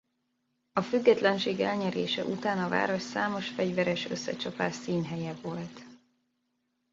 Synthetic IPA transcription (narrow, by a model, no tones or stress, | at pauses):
ɒfyɡːɛt̪lɛnʃeːɡɛ̰lɲɛɾeːʃɛ̰ʔut̪aːnɒva̰ːɾo̞ʃsaːmo̞ʃfɛɟvɛɾɛʃøsːɛ̰t͡ʃɒpaːʃsiːnɦɛjɛvo̞lt̪